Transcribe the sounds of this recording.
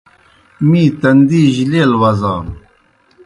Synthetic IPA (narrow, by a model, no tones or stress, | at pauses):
miːt̪ɐnd̪iːʑileːlwɐzaː